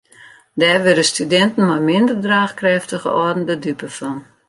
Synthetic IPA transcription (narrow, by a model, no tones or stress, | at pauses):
dɛːrʋɪdəstydɛntən̩mɔjmɪndərdraːxkrɛftəɣə̰ɔdn̩dədypəfɔn